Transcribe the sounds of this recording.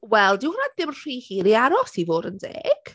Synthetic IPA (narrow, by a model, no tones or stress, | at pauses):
wɛlˠdɪhʊnad̚ðɪmr̥iːhiːɾiaɾɔsivoːɾəndḛːɡ̥